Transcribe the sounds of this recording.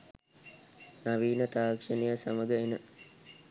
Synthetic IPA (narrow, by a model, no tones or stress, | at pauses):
naʋiːnət̪aːkʂənejəsaməɡəenə